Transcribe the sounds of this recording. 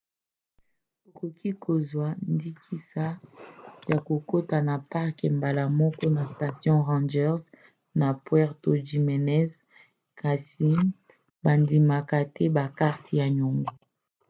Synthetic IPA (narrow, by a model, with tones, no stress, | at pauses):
o˨ko˨kʰi˦kʰo˨zwa˨ndi˦kʰi˦sa˦ | ja˨ko˨ko˦ta˨na˨pa˦ʁke˨mba˨la˨mɔ˦kɔ˦na˨sta˨sjɔ̃˦ʁɑ̃˦nd͡ʒɛ˦ʁz | na˨pwɛ˦ʁto˨ʒi˨mɛ˨nɛ˦z | kʰa˨si˨ | ba˨ndi˨ma˨ka˨tɛ˦ba˨ka˦ʁtʰja˨ɲo˨ŋɡo˨